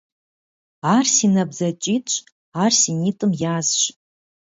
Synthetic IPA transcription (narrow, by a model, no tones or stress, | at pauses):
arsinabzat͡ʃʼitʼt͡ʃʷʰʼ | arsinitʼɨmjaːzʃʷ